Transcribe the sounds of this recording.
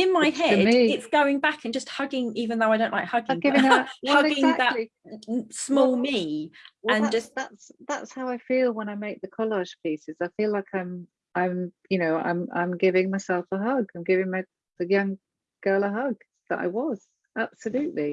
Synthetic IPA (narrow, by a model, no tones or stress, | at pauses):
ɪ̃nmaɪɦɛdiɪtsɡ̥əʊɪ̃ŋbakʰə̃nd͡ʒʌst̚hʌɡɪ̃ŋiːvə̃nðəoʊaɪɾə̃ʊ̃ʔlaɪk̚hʌɡɪ̃ŋɡɪvɪ̃ŋəwhʌɪɡɪ̃zŋðəli | smɔːlˠmiːə̃nd͡ʒʌsðatsðatshaʊaɪfiːlˠwə̃ñaɪmeɪk̚ðəkʰɒlɑʒ̥pʰiˑsɪz̥aɪfilaɪkʰãɪ̃m | ʔãɪ̃mjɨnoʊã̰ɪ̃mʔã̰ɪ̃mɡɪvɪ̃ŋmaɪsɛlˠfəɦʌɡãɪ̃mɡɪvɪ̃ŋmaɪ | ðəjʌ̃ŋ | ɡ̥ɜːlˠəɦʌɡ̚ | ðə̰ta̰ɪwʌz̥ | ʔab̥səlʉˑʔli